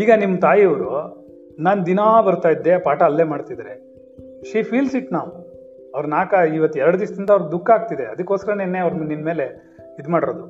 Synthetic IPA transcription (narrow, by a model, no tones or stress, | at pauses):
iːɡɐnimːɐt̪aːjiɐʋɾu | naːnd̪inaːbɐɾut̪aːjid̪ːe̞paːʈɐːlːe̞ːmaːɖt̪id̪ɾe | ʃiːpʰiːlsiʈnaːʋ | ɐʋɐɾnaːkɐiːʋɐt̪ːɛɾɐɽud̪iʂɐd̪ind̪ɐʋɾd̪ukːaːɡ̚t̪id̪eɐd̪ɐkːoːsɐɾɐnenːeɐʋɾninme̞ːle̞ | id̪maːɽiɾoːd̪u